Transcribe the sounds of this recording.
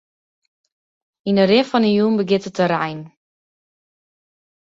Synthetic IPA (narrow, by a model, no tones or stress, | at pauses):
inərɪfɔnəjuːnbəɡɪtətəɾɛjn